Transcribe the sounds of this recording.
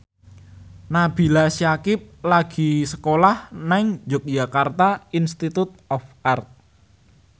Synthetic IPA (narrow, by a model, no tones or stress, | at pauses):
nab̥i̤lasiakɪp̚laɡ̥i̤sə̥kolahnaɪŋd͡ʒʊk̚d͡ʒ̥akart̪ainst̪it̪ut̪̚ɔfart̪̚